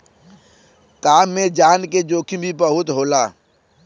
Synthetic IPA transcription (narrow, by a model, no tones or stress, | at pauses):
kaːmːẽd͡ʒaːnked͡ʒoːkʰĩbʱibəɦʊt̪ɦoːlaː